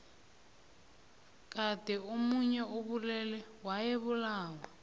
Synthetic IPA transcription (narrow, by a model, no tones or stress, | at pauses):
kʼadʼɛomuɲɛoβulɛlɛwajɛβulaːwa